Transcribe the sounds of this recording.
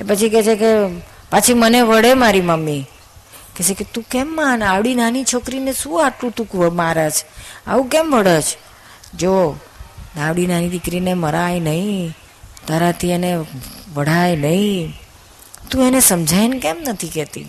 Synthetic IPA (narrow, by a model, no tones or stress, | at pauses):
epət͡ʃʰikɛt͡ʃʰeke | pat͡ʃʰiməneʋəɽemaɾiməmːi | kɛt͡ʃʰeket̪ũkɛmːanaʋɽinanit͡ʃʰokɾineʃũaʈlũt̪ũkʋəmaɾat͡ʃʰa̰ʋũkɛmʋəɽet͡ʃʰ | d͡ʒo | aʋɽinanid̪ɪkɾineməɾajnəɦĩ | t̪aɾat̪ʰieneʋəɽ̤ajnəɦĩ | t̪ũenesəmd͡ʒʱajnkɛmnət̪ʰikɛt̪ḭ